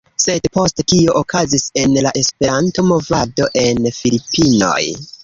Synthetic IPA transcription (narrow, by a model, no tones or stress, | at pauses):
se̞dpo̞sttio̞ʔokʰazise̞nlaʔe̞spe̞ɾanto̞mo̞vado̞ʔe̞nfilipino̞̰j